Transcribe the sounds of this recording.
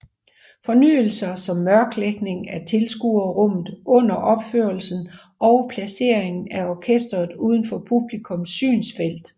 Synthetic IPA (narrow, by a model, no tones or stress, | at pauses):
fɒ̽ny̰ːl̩sɐsɒ̽mːɶɐɡ̥leɡ̥ne̝ŋæt͡sʰe̝lsɡ̥uɐʁɔ̽m̰ð̩ˠɔ̽n̰ɐʔɒ̽b̥føɐl̩sn̩ | ʔɒʊpʰlæse̝ɐ̰eŋn̩æɒːkʰesd̥ɐð̞̩ˠuːð̞ˠn̩fɒ̽pʰub̥likʰɔ̽msːy̰ːnsfel̰d̥